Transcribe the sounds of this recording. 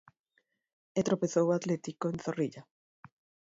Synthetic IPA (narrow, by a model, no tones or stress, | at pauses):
et̪ɾopeθowat̪let̪ikoenθoriʎa